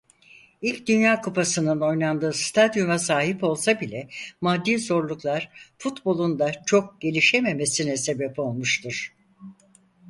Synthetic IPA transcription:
ilʲcd̪ynjaːkʰupʰasɯnɯno̞jnand̪ɯːst̪ʰad̪jumasaːɦipo̞lˠsabilʲɛmad̪ːiːzo̞ɾlˠuklˠaɾ̥fut̪bo̞lˠund̪at͡ʃʰo̞k̚ɟ̥e̞lʲiʃe̞me̞me̞sinɛse̞bɛpo̞lˠmuʃt̪ʰɯɾ̥

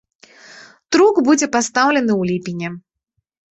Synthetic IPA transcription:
t̪ɾuɡbud͡zʲɛpast̪awlʲɛnɨwlʲipʲinʲɛ

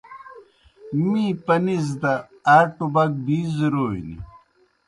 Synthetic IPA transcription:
miːpɐniz̬d̪ɐ | aːʈubɐk̚biːziɾoːḭnḭ

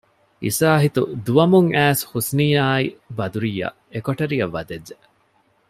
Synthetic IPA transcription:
ḭsaːɦit̪ud̪uʋɐmuŋæːshusniːaːibɐd̪uɾijɐ̰ | ekoʈɐɾiɐʋːɐd̪edːe

